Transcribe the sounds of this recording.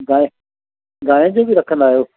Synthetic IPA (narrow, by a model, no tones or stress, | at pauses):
ɡaːẽ | ɡaːɦẽd͡ʑoːbɪɾɐkʰə̃nd̪aːɦijoː